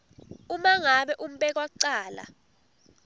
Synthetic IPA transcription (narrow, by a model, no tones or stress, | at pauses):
umaŋaɓɛʔum̩ɓɛk̬waǀaːla̰